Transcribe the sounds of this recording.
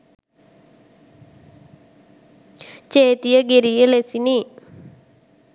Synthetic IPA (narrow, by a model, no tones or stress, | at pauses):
t͡ʃeːt̪ijɐɡeɾijɐlesini